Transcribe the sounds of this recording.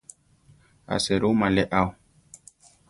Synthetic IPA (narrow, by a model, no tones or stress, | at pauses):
a̰seɾomalɛʔaw